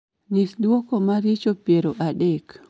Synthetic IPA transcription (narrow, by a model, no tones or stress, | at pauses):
nɪkdwokomaɾɪt͡ʃopjeɾoʔadɛk